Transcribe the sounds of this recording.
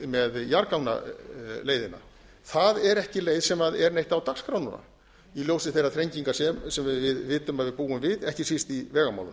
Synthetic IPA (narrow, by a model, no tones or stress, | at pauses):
mɛðjaɾkawna̰leːjðɪna̰ | θaðɛɾɛhcɪleːjðsɛmaðɛɾnejht̪awt̪akskɾawnʏna̰ | iljoːwsɪθejraθʰɾejɲciŋkasɛmsɛmvɪðvɪːt̪ʏmaðvɪðpuːʏmvɪðɛhcɪsist̪ivɛːɣama̰wlʏ̰n